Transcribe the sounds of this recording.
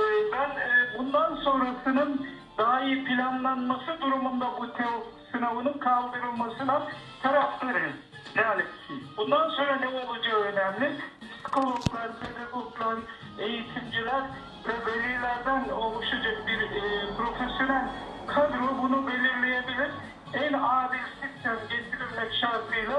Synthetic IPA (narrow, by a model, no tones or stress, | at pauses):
mænbund̪ɑnsoŋɾɑsɯnɯŋ | d̪ɑjɪpʰilʲɑnlˠɑnmɑsɯd̪uɾumund̪ɑbut̪ʰewsinawunɯŋkʰɑlˠb̪eɾɯlˠmɑsɯnɑn | t̪ʰɑɾɑft̪ɯɾɯm | d̪ælɪkʰːibund̪ɑnsoŋɾɑnewolˠud͡ʒeønæmlɪd̪skʰolˠoklˠɑɾpʰed̪aɡoɡlˠɑɾ | e̞jit̪ʰimd͡ʒilæɾ | vɛvelilæɾd̪ænolˠuʃad͡ʒɑbiɾpʰɾo̞fesjo̞nælʲkʰad̪ɾobunubeliɾlejebilʲiɾ | ɛnɑːd̪iɾsikt̪ʰɛnɟet̪ʰiɾilmɛkʃɑɾt̪lˠɯjlˠɯ